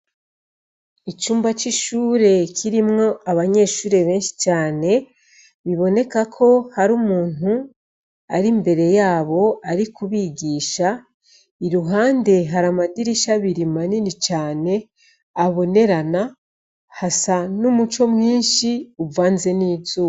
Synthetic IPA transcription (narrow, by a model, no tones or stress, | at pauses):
it͡ʃuːmbat͡ʃiʃuːɾe̞kʰiɾimŋo̞aβaɲe̞ːʃuːɾe̞βe̞ːnʃi̥t͡ʃaːne̞ | βiβo̞ne̞kakʰo̞haɾumuːn̥u | aɾimbe̞ɾe̞jaːβo̞aɾikuβiɡiːʃa | iɾuɦaːnde̞ɦaɾamadiɾiʃaβiɾimaninit͡ʃaːne̞ | aβo̞ne̞ɾana | hasanumut͡ʃo̞mŋiːnʃiuvaːnze̞niːzu